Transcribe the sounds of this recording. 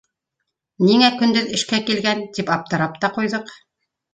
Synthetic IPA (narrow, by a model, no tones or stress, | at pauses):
niŋækɵ̆nd̪ɵðɘ̆ʃkækilɡænt̪ipɑp̚t̪ɤ̆ɾɑp̚t̪ɑqujðɤq